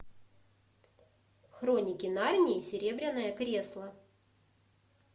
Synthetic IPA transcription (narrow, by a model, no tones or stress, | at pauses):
xɾo̞nʲɪkʲɪnarʲnʲɪsʲɪɾʲe̞bɾʲɪnːəjəkɾʲe̞slˠə